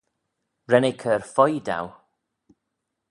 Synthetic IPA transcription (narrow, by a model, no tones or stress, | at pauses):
ɹɛnɛkʰərfɔjda̰w